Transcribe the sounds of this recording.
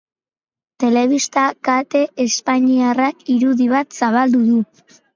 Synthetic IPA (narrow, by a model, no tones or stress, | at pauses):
t̪e̞le̞βist̪akat̪e̞ʔespaɲiarakiɾuðiβ̞at̪saβald̪uðu